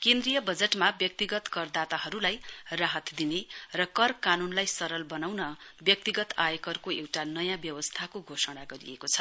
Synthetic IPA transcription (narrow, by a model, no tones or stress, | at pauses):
kẽnd̪rijʌbʌd͡zeʈmabjʌk̚t̪iɡʌt̪kʌrd̪at̪aɦʌɾulajraɦʌt̪d̪inerʌkʌrkanunlajsʌɾʌlbʌnawnʌbjʌk̚t̪iɡʌt̪ajekʌrkoewʈanʌjãbjʌwʌst̪ʰakoɡʱosʌɽ̃aɡʌɾḭjekot͡sʰʌ